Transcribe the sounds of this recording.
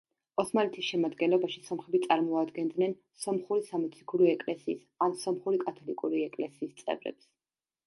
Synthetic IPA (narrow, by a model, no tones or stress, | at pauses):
ɔsmalɛt̪ʰisʃɛmad̪ɡɛnlˠɔbaʃisɔmχɛbit̪sʼaɾmɔad̪ɡɛnd̪nɛn | sɔmχuɾisamɔt̪sʰi̥kʰuɾiɛkʼlɛsḭːs | ansɔmχuɾikʼat̪ʰɔlikʼuɾiɛkʼlɛsiːst̪sʼɛ̰vɾɛ̰ps